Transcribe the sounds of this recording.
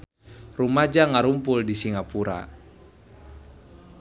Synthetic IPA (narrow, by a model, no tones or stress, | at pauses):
rumad͡ʒaŋaɾumpuldisiŋapuɾa̰